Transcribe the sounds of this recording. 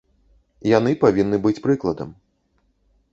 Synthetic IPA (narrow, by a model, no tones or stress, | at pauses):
janɨpavʲinːɨbɨt͡sʲpɾɨklˠɐd̪ɐm